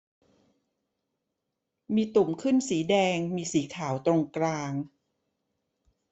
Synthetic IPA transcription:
miː˧t̪u˨˩mkʰɯ˥˩nsiː˩˦dɛː˧ŋmiː˧siː˩˦kʰaː˩˦wt̪ɾo˧ŋklaː˧ŋ

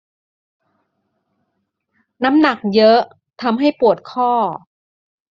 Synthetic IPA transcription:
na˦˥mna˨˩k̚jɤ˦˥ | t̪ʰa˧mɦa˥˩jpu˨˩ət̪̚kʰɔː˥˩

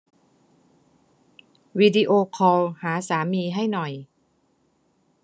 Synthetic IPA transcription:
wi˧di˧ʔoː˧kʰɔː˧whaː˩˦saː˩˦miː˧ɦa˥˩jnɔ˨˩j

